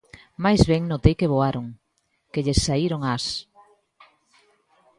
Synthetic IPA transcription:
majzβɛŋnot̪ejkeβoaɾoŋ | keʎesːaiɾoŋas

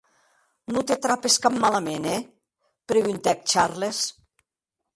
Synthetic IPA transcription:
nut̪et̪ɾapeskamːalamenɛ | pɾeɣynt̪ɛk̚t͡ʃarles

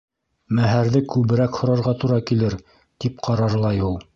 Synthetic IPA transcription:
mæɦæɾðɘkʉβɘ̆ɾækhŏɾɑɾʁɑt̪uɾɑkilɘɾ | t̪ip̚qʰɑɾɑɾlˠɑjulˠ

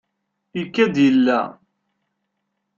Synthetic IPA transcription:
jəkːæd̪jəlːæ̰

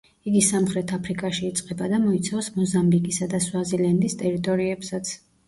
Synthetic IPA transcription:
iɡisamχɾɛt̪ʰapʰɾikʼaʃiːt̪sʼqʼɛbad̪amɔit̪sʰavsmɔzambikʼisad̪aswaziland̪ist̪ʼɛɾit̪ʼɔɾiɛpsat̪sʰ

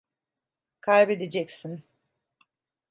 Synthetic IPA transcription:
kʰajbe̞d̪ed͡ʒɛcsin

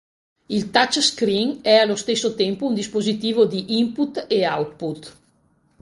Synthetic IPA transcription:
ilt̪at͡ʃskɾiŋɛalost̪esːot̪ɛmpund̪ispozit̪iːvod̪iʔimput̪eawt̪̚put̪

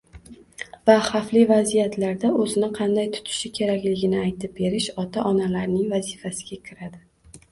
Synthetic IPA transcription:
vaχaflɪvazijat̪ʰlaɾd̪aɵzɪnɪqʰɑnd̪ajt̪ʰʊ̥t̪ʰɪ̥ʃɪkʲʰe̞ɾakʲlɪɡʲɪnɪajt̪ʰɪp̚be̞ɾɪʃɒt̪ʰaʔɒnalaɾnɪŋvazifasɪɡʲakʲʰɪɾad̪ɪ

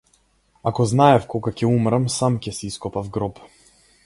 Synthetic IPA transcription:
akɔznaɛfkɔɡacɛumɾamsamcɛsiiskɔpavɡɾɔp

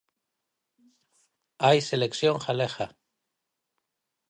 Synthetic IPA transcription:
ajseleksjoŋχaleχa

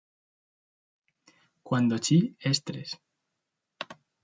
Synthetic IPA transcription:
kwand̪ot͡ʃiest̪ɾes

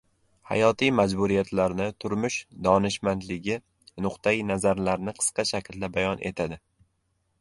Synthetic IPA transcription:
ha̰jɒt̪ʰijmad͡ʒbʊɾijat̪ʰlaɾnɪt̪ʰʊɾmʊʃd̪ɒnɪʃmand̪lɪɡʲɪ | nʊqt̪ʰainazaɾlaɾnɪqʰɨ̥sqɑʃakʲʰɪld̪abajɒnʔe̞t̪ʰad̪ɪ

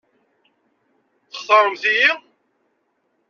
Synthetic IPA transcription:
θə̥χθˤəɾˤəmθiji

